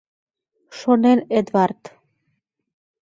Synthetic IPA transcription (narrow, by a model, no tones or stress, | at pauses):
ʃonened̪wɑrt̪